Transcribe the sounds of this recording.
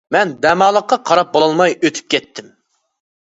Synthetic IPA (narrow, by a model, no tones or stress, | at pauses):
mɛnd̪ɛmɑːlˠəqːɑqʰɑɾɑp̚bolˠɑlˠmɑjʔøt̪ʰy̥p̚kʲʰɛt̪ʰːɪm